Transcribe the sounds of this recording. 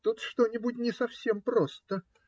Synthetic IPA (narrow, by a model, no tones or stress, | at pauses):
t̪ut̪ʂt̪o̞nʲɪbʊtʲnʲɪsɐfsʲe̞mpɾost̪ə